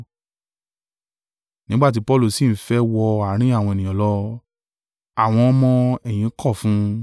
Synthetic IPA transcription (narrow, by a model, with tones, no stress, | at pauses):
nĩ˦ɡ͡ba˦˨t̬i˨˦pɔ˦lu˦˨si˦˨n̩˨fɛ˦wɔ˧a˨˦ɾ̃ĩ˨˦a˦˨w̃ɔ̃˧e˨nĩ˨ɔ̃˨lɔ˦ | a˨w̃ɔ̃˧ɔ˦mɔ̃˧ɛ˨j̃ĩ˨˦kʰɔ˦˨fũ˨˦